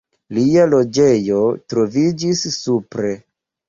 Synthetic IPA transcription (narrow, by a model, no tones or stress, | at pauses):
lialo̞d͡ʒe̞jo̞tɾo̞vid͡ʒisːupɾe̞